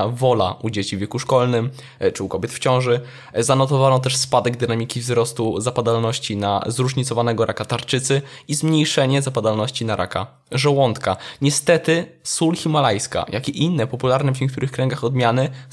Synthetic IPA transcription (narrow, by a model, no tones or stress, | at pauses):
vɔla̰ʔud͡ʑet͡ɕivʲeɛkuʂkɔlnɘm | t͡ʂɘukɔbjɛt̪ft͡ɕɔ̃w̃ʐɘ | zanɔt̪ɔvanɔt̪ɛʂspad̪ɛɡ̚d̪ɘnamʲikʲivzɾɔst̪uzapad̪alnɔɕt͡ɕina̰zɾuʐɲit̪sɔvanɛɡɔɾʔakat̪aɾt͡ʂɘt̪sɘizmɲejʂɛɲɛzapad̪alnɔɕt͡ɕinaɾʔa̰ka̰ | ʐɛwɔnt̪kaɲɛst̪ɛt̪ɘ | sulxʲimalajska̰jʔakʲiʔinːɛpɔpulaɾnɛvɲeɛk̚t̪uɾɘxkɾɛŋɡaxɔd̪mʲjanɘ